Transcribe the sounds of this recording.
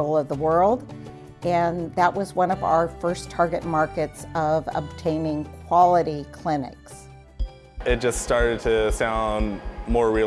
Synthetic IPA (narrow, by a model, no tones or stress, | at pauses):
l̩ˠʌvðəwɜ˞lˠd | ɨ̃nðəʔ̚wʌzwʌ̃nʌva̰ʊə˞fɜ˞stʰɑɹɡɨt̚mɑɹkɨtsʌvə̰b̚tʰẽɪ̃nɪ̃ŋkʰw̥ɑlˠəɾikʰl̥ɪ̃nɪ̰ks | ɨt̚d̥ʒ̥ʌststɑɹɾɨd̚tʰɨsãʊ̃nmɔɹɹi